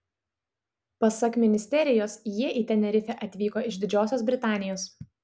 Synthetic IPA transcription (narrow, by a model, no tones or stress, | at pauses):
pɐsɐkmʲɪnʲɪsʲt̪ʲɛɾʲɪjoːsjiɛʔiːt̪ʲɛnʲɛɾʲɪfʲɛʔɐt̪ʲʋʲiːkoːɪʒd̪ʲɪd͡ʒʲoːsʲoːs̬bʲɾʲɪt̪ɑːnʲɪjoːs